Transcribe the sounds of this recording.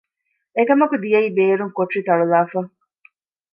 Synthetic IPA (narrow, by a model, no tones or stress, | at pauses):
ekɐmɐkud̪ijɐiːbeːɾuŋkoʈrit̪ɐɭulaːfɐ